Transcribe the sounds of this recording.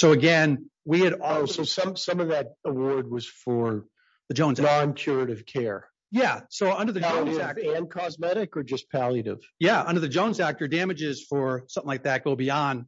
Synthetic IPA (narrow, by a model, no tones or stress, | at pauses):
soʊɨɡɛ̃nwiɨɾɔsoʊsʌ̃msʌ̃mʌvðɨɾəwɔɹd̚wʌz̥fə˞ | ðɨd͡ʒõʊ̃nznɑ̃nkʰj̥ʊɹɨɾɨv̥kʰɛɹ | jæsoʊʌ̃ndə˞ðɨõʊ̃nzæk̚ɨ̃nkʰɑzmɛɾɨkə˞d͡ʒʌspʰælˠjɨɾɪ̰v̥jæʌ̃ndə˞ðɨd͡ʒõʊ̃nzæk̚tə˞dæmɨd͡ʒɪz̥fə˞sʌ̃mθɪ̃ŋlaɪk̚ðɨt̚ɡ̥oʊbiɑ̃n